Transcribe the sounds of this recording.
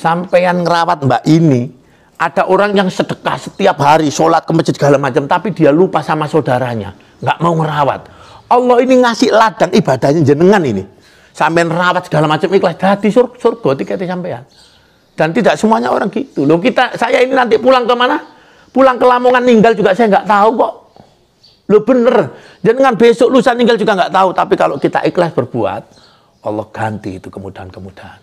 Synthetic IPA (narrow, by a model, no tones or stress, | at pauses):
sampejanŋəɾawat̪̚mbaʔini | ʔad̥a̤ʔoɾaŋjaŋsəd̥ə̤ka̰hsə̥t̪iapɦaɾisolat̪̚kəmət͡ʃət̪səɡ̥alamat͡ʃəmt̪apid̥ialupasamasod̥aɾaɲa̰ | ŋɡaʔmauŋəɾawa̰t̪̚ɔlːɔiniŋasɪhlad̥a̤ŋib̥ad̥a̤hɲaɲd͡ʒənəŋaninḭ | sampejanrawat̪sə̥ɡ̥alamat͡ʃəmiklasd̥ad̪̥isorsorɡ̥ɔt̪ikɛt̪isampea̰n | d̥ant̪idaʔsəmuaɲao̰ɾaŋɡit̪ulokit̪asajaininant̪iʔpulaŋkəmana | pulaŋkəlamoŋanːiŋɡald͡ʒuɡaʔsajaŋɡaʔt̪aukɔʔ | lob̥ənər | ɲd͡ʒənəŋanbesoʔlusaniŋɡald͡ʒuɡaŋɡaʔt̪aut̪apikaloʔkit̪a̰ʔiklasb̥ərb̥ua̰t̪̚ | ɔlːɔhɡ̥ant̪ḭːt̪ukəmud̥aɦankəmud̥aan